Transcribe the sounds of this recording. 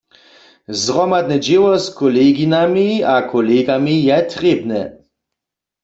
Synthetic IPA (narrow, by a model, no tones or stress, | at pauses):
zʁɔmad̪nɛd͡ʒewɔskɔleɡinamiakʰɔleɡamijɛt̪ʁebnɛ̰